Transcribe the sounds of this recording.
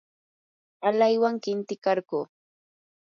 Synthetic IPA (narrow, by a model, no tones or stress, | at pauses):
alajwaŋkɪnt̪ɪkɑɾɢuː